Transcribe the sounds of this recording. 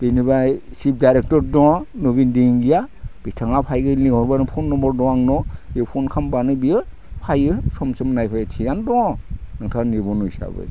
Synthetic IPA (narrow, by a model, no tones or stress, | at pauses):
b̥inibajsip̚dajɾek̚tɔɾdɔnubindiŋɡijab̥itʰaŋapʰajɡɯlihɔɾbanɯpʰɔnːɔmbɔɾdɔwaŋnɔepʰɔnkʰambanɯbijɯ | pʰajɯsɔmsɯmnajpʰajtʰijandɔnɯŋtʰanibɔnuisa̰bɯ̰j